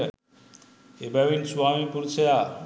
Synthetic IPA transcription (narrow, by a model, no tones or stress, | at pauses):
ebaʋinsuamipuɾt͡ɕʰeja